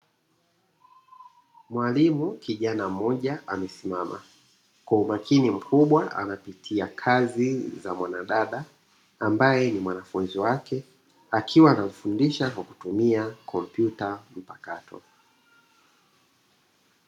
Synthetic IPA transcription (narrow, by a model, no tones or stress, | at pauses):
mwalimukiʄanamɔʄaʔamɛsimama̰ | kwaumakʰinim̩kʰuɓwaʔa̰napitʰiakʰazizamwanaɗaɗa | ambajɛnimwanafunziwakɛ | akʰiwaːnam̩fundiʃakwaku̥tumiakʰɔm̩pjutam̩pakatʰɔ̰